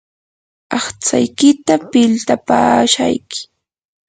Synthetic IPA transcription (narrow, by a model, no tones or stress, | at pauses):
ɑχt͡sa̰jkɪt̪apɪlt̪apaːʃa̰jkɪ̥